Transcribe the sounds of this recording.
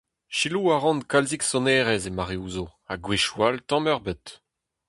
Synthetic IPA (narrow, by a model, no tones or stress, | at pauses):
ʃiluaʁɔ̃nkalziksɔnɛːʁɛzemaʁeuːzoaɡweʃwaltɑ̃mœʁbət